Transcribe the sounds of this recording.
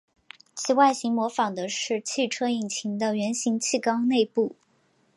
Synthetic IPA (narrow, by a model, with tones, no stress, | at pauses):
t͡ɕʰi˥˩wa˥˩ɪɕi˧˥ŋmwɔ˧˥fɑ˨˩ŋd̪ə˦ʂɻ̩˥˧t͡ɕʰi˥˩ʈ͡ʂʰɤ˥i˨˩ŋt͡ɕʰi˧˥ŋd̪ə˧ɥɛ˧˥nɕi˧˥ŋt͡ɕʰi˥˩kɑ˥ʊne˥˧ɪpu˥˩